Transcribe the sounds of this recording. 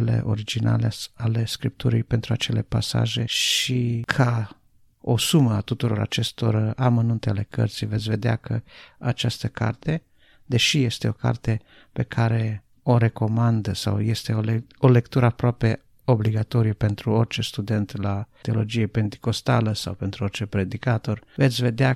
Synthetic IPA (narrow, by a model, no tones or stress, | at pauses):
le̞̰ʔo̞̰ɾid͡ʒina̰leale̞skɾip̚t̪ʰuɾijpent̪ɾuat͡ʃe̞le̞pasa̰ʒe̞ʃikʰa | o̰suməat̪ut̪uɾo̞̰ɾa̰t͡ʃe̞st̪o̞̰ramənunt̪eale̞kə̰rt̪sijve̞t̪sʲve̞d̪eakʰəat͡ʃast̪əka̰rt̪e̞ | d̪e̞ʃije̞st̪e̞o̞ka̰rt̪e̞ | pe̞kʰaɾe̞ | o̞ɾe̞ko̞mand̪əsa̰wje̞st̪e̞olole̞kt̪uɾəapɾoape̞ | o̞bliɡat̪o̞ɾijəpe̞nt̪ɾuo̞rt͡ʃe̞st̪ud̪e̞nt̪lat̪eo̞lo̞d͡ʒijepe̞nt̪i̥ko̞st̪a̰ləsa̰wpe̞nt̪ɾuo̞rt͡ʃe̞pɾe̞d̪ikat̪o̞rve̞t̪sʲve̞d̪ea